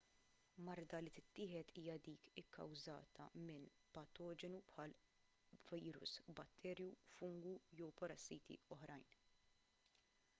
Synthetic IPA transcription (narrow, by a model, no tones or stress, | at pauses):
mɐɾd̪ɐlit̪ɪt̪ːɪːħɛt̪ʰiːjɐd̪iːkɪkːɐ̰wzɐ̰ːt̪ʰɐ̰mɪn | pɐt̪ɔːd͡ʒɛnupħɐːl | vɐjɾʊ̰sbɐt̪ʰːɛːɾjufʊŋɡujɔwpɐɾɐsːiːt̪ʰḭɔħɾɐjn